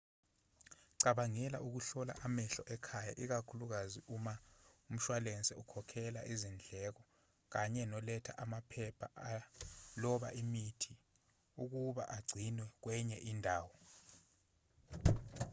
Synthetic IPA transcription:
ǀaɓaŋɛla̰ʔuk̬uɬɔla̰ʔamɛɬɔʔɛkʰaja̰ʔik̬akʰuluk̬aziʔumaum̩ʃwalɛnt͡sʼɛukʰɔkʰɛla̰ʔizind͡ɮʱɛk̬ɔ | k̬aɲɛnɔlɛtʰa̰ʔamapʰɛpʰa̰ʔalɔɓa̰ʔimitʰi | uk̬uɓa̰ʔaɡ͡ǀʱinwɛk̬wɛɲɛʔindʱaːwɔ

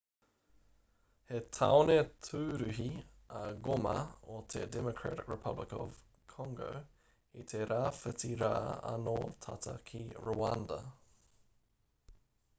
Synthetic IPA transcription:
het̪ʰaonetʰʉːɾʉɦiɐɡomɐot̪ʰḛdɛmokʰɹa̰tɪkɹɛpʰɐblɪkɔv̥ | kʰɔŋɡo̰ | it̪ʰeɾʔaːfətiɾaːɐ̰not̪ʰatʰɐkʰiɹoandɐ

